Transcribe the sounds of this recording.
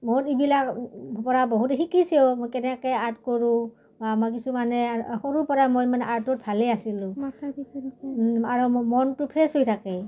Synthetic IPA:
moɹibilakpɔɹabɔɦutxikisiomojkɛnɛkɛaɹtkɔɹũ | baːmakisumanɛxoɹupɔɹamojmanɛʔaɹtɔt̚bʱalɛasilʊ̃ | aɹumɔntʊpʰesɦojtʰakɛ

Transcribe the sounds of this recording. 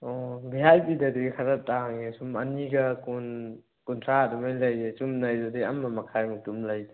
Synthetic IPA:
ɔbiɦajbidɐdiɡkʰaɾɐtaŋesumɐniɡɐkun | kuntʰɾadumajlɐjdet͡ʃumnɐjdadiɐmːɐmɐkʰajmutumlɐjde̥

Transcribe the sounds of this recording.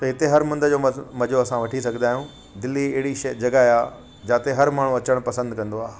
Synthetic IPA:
t̪ɐɦɪt̪eɦɐɾmʊ̃nd̪ʱəd͡ʑoːmɐd͡ʑoɐsãʋɐʈʰis̬ɐɡʱə̃nd̪aːijũ | d̪ɪlːiɐɦɪɽiʃɐd͡ʑɐɡaɦaː | d͡ʑaːt̪eɦɐɾmaːɳ̤ũɐt͡ɕəɽ̃pɐsə̃nd̪kɐ̃nd̪oaː

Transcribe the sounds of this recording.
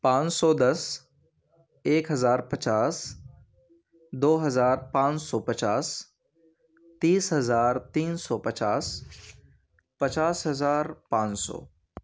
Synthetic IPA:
pãːt͡ʃsɔd̪ɐs | eːkɦɐzaːɾpɐt͡ʃaːs | d̪oːɦɐzaːɾpãːt͡ʃsɔːpɐt͡ʃaːs | t̪iːsɦɐzaːɾt̪iːnsɔːpɐt͡ʃaːs | pɐt͡ʃaːsɦɐzaːɾpãːt͡ʃsɔ̰ː

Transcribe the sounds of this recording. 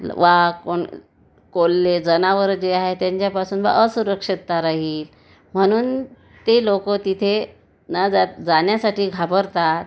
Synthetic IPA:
ʋakoɳ | kolːed͡zənaʋəɾd͡ʑeaɦet̪jãɲt͡ɕjapasuːnʋa̰ʔəsuɾəkʂit̪ːaɾaɦiːl | m̤əɽ̃uːn | t̪elokət̪it̪ʰe | nəd͡zad͡zanjasaʈiːɡʱapəɾt̪at̪̚

